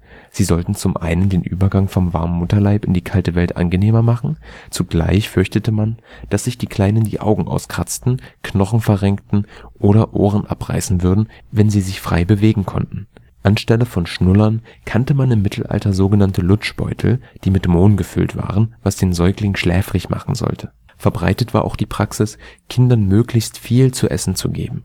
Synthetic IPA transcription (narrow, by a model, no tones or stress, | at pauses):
z̥iːzɔltn̩t͡sʊmʔa̰ɪnəndeːnʔy̰ːbɐɡaŋfɔmva̰ɐmːʊtɐlaɪpɪ̰ndiːkʰaltəvɛltʔa̰nɡəneːmɐmaχn̩t͡suɡ̥la̰ɪçfʏɐçtətəmand̥asz̥ɪçd̥iːkʰl̥aɪnəndḭːʔa̰ʊɡŋ̩ʔa̰ʊskʁ̥at͡stn̩knɔχn̩fɛɐʁɛŋktn̩ʔoːɾɐʔo̰ːʁənʔa̰pʁ̥a̰ɪsn̩vʏɐdn̩ | vɛnziːzɪçfʁ̥a̰ɪbəveːɡŋ̩kʰɔ̰ntn̩ | ʔanʃtɛləfɔnʃnʊlɐnkʰantəmanɪmːɪtʰl̩ʔa̰ltɐzoːɡənantəlʊt͡ʃb̥ɔ̰ʏtʰl̩d̥iːmɪtmoːnnɡəfʏ̰ltv̥a̰ːʁənvasd̥eːnzɔʏklɪŋʃlɛːfʁɪçma̰χn̩zɔ̰ltʰə | fɛɐbʁa̰ɪtətv̥a̰ːɐʔa̰ʊxd̥iːpʁ̥aksɪskʰɪndɐnmøːklɪçstfiːlt͡suʔɛ̰sn̩t͡sṵɡḛːbm̩